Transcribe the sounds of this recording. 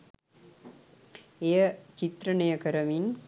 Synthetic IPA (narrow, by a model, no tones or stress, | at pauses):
ejət͡ʃit̪ɾɐnɐjəkɐɾɐmin